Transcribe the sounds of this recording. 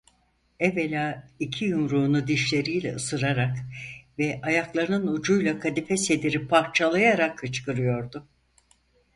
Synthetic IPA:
ɛvelʲaːicʰijumɾuːnud̪iʃlʲe̞ɾijlʲɛ̰ɯsɯɾaɾakvɛʔajaklˠaɾɯnɯnud͡ʒujlˠakʰad̪ifɛse̞d̪iɾipʰaɾt͡ʃʰalˠajaɾakʰːɯt͡ʃkɯɾɯjo̞ɾd̪ʊ

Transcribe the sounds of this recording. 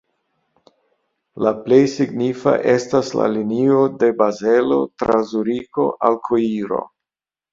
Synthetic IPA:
laple̞jsiɡnifa̰ʔe̞stasla̰linio̞de̞baze̞lo̞̰tɾazuɾiko̞̰ʔalkʰoiɾo̞̰

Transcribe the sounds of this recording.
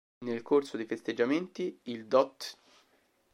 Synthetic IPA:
nelkorsod̪efest̪ed͡ʒːament̪iild̪ɔt̪

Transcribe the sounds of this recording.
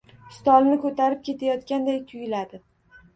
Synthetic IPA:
st̪ɒlnɪkʰɵt̪ʰaɾɪp̚kʲʰe̞t̪ʰajɒt̪kʲand̪ajk̪ʲʰʊjɪlad̪ɪ

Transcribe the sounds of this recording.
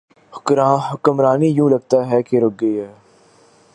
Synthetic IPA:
hʊ̥kɾaɦʊkəmɾaːnijũːlɐɡ̚t̪aɦɛkeɾʊɡ̚ɡəiɦɛː

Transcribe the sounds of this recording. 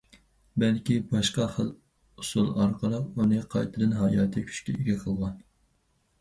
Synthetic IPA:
bɛlkʲibɑʃqɑχəl | usulˠɑɾqəlˠəqunɨqʰɑjt̪ʰɨd̪ɨnɦɑːjɑːt̪ʰɨkʲʰy̥t͡ʃkʲɛiɡʲɛqʰəlˠʁɑn

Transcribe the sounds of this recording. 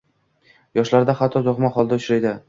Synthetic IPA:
jɒʃlaɾd̪aχat̪ʰːɒzʊχmaχɒlˠd̪aʊt͡ʃɾajd̪ɪ

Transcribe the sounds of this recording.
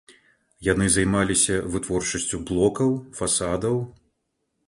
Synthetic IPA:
janɨzajmalʲisʲɐvɨt̪vɔrt͡ʂɐsʲt͡sʲublˠɔkɐwfasad̪ɐw

